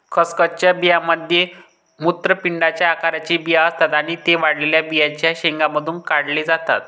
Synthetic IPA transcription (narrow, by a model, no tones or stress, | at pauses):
kʰəskət͡ɕjabijaməd̪ʱje | mut̪ɾəpiɳɖat͡ɕjaːkaɾat͡ɕiːbijaəst̪at̪aɽ̃it̪eʋaɽleljabijat͡ɕjaɕeŋɡaməd̪ʱuːnkaɽliːd͡zat̪a̰t̪